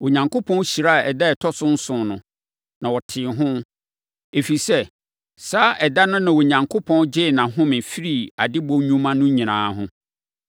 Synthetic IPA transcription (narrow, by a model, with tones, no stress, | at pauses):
wo˨ɲã˨ŋkʰo˦pʰɔ̃˦n˦ɕi˨ɾa˦˨ɛ˨dɛ˦ɛ˨tʰɔ˦sʊ̃˦n̩˦sʊ̃˨nʊ̃˨ | nã˨wɔ˨tʰɪ˨ɦʊ̃˦ | e˨fi˨sɛ˦ | saː˦ʔɛ˨da˦nʊ̃˦nã˨wo˨ɲã˨ŋkʰo˦pʰɔ̃˦nd͡ʑɪ˦˨nã˨ɦʊ̃˦mɪ̃˨fi˦ɾi˦˨a˨dɪ˦bõ˦ɲũ˦mã˦nʊ̃˦ɲĩ˨nã̰ː˨˦ɦʊ̰̃˦